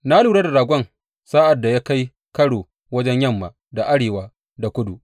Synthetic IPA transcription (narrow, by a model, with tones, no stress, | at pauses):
na˦luː˨ɽa˦da˨ɾaː˨ɡʷɔ˦ŋ | saː˦ʔa˨dːa˨jaː˦ka˦j | kɐ˦ɽoː˨ | wɐ˦d͡ʒɛ˦ɲjɐ˦mːa˨ | da˨ʔa˦ɽeː˨waː˦ | da˨kʷʊ˦du˨ʔ